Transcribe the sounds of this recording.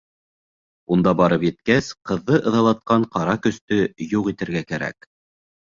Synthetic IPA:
und̪ɑbɑɾɤpjɘ̆t̪kæsqɤ̆ðːɤʔɤ̆ðɑlˠɑt̪̚qɑɴqɑɾɑkɵ̆st̪ɵjuʁit̪ɘ̆ɾɡækæɾæ̰k

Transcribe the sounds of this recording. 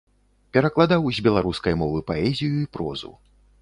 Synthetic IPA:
pʲɛɾɐklˠad̪awzʲbʲɛlˠaɾuskɐjmɔvɨpaɛzʲijuipɾɔ̰zṵ

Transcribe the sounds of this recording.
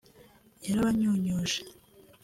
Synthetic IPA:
jaɾaβaɲuːɲoʒe

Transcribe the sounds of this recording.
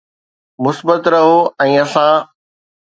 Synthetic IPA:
mʊsbət̪ɾɐɦoːɛ̃ːɐsãː

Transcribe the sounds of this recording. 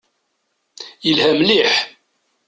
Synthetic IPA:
jəlhæmliħ

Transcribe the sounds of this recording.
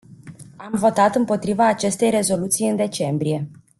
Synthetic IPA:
amvo̞t̪at̪ɨmpo̞t̪ɾivaːt͡ʃe̞st̪e̞jre̞zo̞lut̪sijɨnd̪e̞t͡ʃe̞mbɾije̞

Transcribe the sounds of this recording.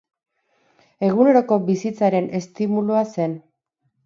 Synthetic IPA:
e̞ɣ̞une̞ɾo̞ko̞bisit͡saɾe̞ne̞st̪imuluase̞n

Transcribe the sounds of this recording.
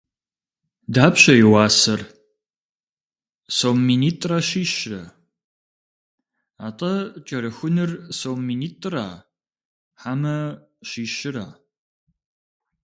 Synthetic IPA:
daːpɕɐjɪwɑːsɐr | sowmːiːniːtʼrɐɕiːɕrɐ̰ | aːtʼɐt͡ʃʼɐɾɨxʷʊnɨrsowmːiːniːtʼra̰ː | ħamɐ | ɕiːɕɪɾa̰ː

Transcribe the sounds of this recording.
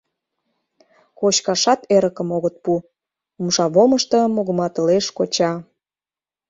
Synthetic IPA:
kot͡ɕkɑʃɑt̪eɾə̆kə̆moɣə̆t̪̚pu | umʃɑβoməʃt̪ɤ̆moɣə̆mɑt̪əleʃkot͡ɕɑ

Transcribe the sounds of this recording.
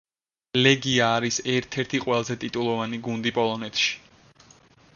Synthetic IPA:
lɛɡiaːɾisɛɾt̪ʰɛɾt̪ʰiqʼwɛlˠazɛt̪ʼit̪ʼulˠɔvaniɡund̪ipʼɔlˠɔnɛt̪ʰʃi̥

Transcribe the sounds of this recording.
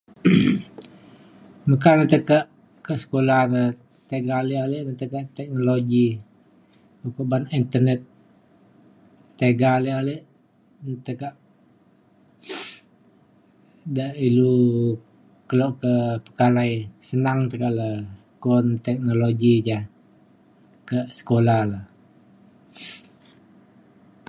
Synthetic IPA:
məkanət̪əkaʔ | kasə̥kolanə | t̪eɡalialeʔnət̪əkaʔt̪ɛk̚noloɡi | ukoʔbanint̪ənɛt̪̚ | eɡalealeʔ | nət̪əkaʔ | daʔilu | kəlɔʔkəpə̥kalaisənaŋt̪əkaʔlə | kɔnt̪ɛk̚noloɡid͡ʒa | kəsə̥kolahləh

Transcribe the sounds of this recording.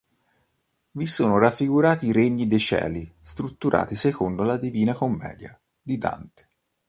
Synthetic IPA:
visoːnoɾafːiɡuɾaːt̪iːɾeɲːid̪et͡ʃɛ̰ːlist̪ɾut̪ːuɾʔa̰ːt̪isekond̪olad̪iviːnakomːɛ̰ːd̪ja̰ | d̪id̪a̰nt̪e̥

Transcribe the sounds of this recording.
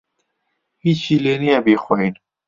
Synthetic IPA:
hiːt͡ʃiːleːnijɛbiːxɔɦiːn

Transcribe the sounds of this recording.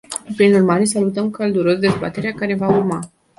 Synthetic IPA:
pɾinurmaɾe̞salut̪əmkald̪uɾo̞sd̪e̞zba̰t̪e̞ɾeakaɾe̞vaurma

